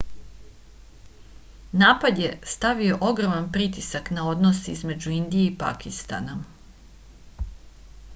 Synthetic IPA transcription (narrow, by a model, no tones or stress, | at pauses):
naːpad̪je̞st̪aʋio̞ʔo̞ɡɾomanpɾit̪isaknao̞d̪nosizme̞d͡ʑuind̪ijeipa̰kist̪a̰na